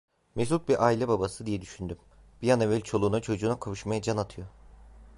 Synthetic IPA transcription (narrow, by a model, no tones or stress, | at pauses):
mesut̪̚biɾʔaːilʲɛbabasɯd̪ijɛd̪yʃynd̪ym | b̥ijanɛvɛlʲt͡ʃʰo̞lˠuːnat͡ʃʰo̞d͡ʒuːnakʰaβɯʃmajad͡ʒanat̪ʰɯjo̞